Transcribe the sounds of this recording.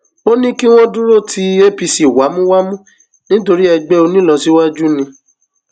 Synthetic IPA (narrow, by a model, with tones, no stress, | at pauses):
o˦nĩ˦ki˦w̃ɔ̃˦dũ˦ɾo˦˨tʰi˦e˦pi˧si˨wa˨˦mũ˦wa˦mũ˦ | nĩ˦to˧ɾi˦ɛ˧ɡ͡bɛ˦o˧nĩ˦lã˧si˨˦wa˦d͡ʒu˦nĩ˧